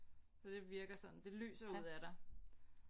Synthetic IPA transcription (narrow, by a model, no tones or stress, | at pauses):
fɒd̥e̝ʋiɐɡ̥ɐsɒ̽n̥n̩d̥e̝ly̰ːsɐuð̰ˠæɾ̥ɑ̈ɪ